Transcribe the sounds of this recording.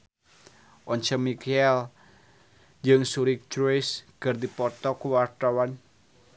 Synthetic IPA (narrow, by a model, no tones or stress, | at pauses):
ʔɔɲt͡ʃəmikɛl | d͡ʒɨŋsuɾik̚t͡ʃɾɔjskɨrd̪ipɔt̪ɔkuwart̪awan